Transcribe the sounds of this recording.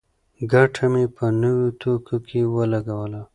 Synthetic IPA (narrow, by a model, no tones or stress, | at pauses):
ɡaʈʰamepənəwot̪okʰokʰewəlaɡawəla